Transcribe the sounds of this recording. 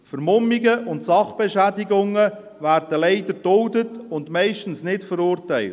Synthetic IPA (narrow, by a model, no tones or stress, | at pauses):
fəɾmʊmːiɡəʔʊntsɑχb̥ɛʃædiɡʊŋːə | væːɾd̥əlɛɪdəd̥ʊldətʊndmɛɪʃtən̩snɪtfəɾʊːrtɛɪlt